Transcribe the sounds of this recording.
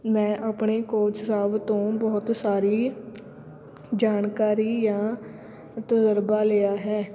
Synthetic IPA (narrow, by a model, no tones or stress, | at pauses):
mɛ̃ːʔaːpɳeːkoːt͡ʃsaːʋt̪õːbɔːt̪saːɾiː | d͡ʒaːnkaːɾiːjãː | t̪əzəɾbaːleːaːɦɛː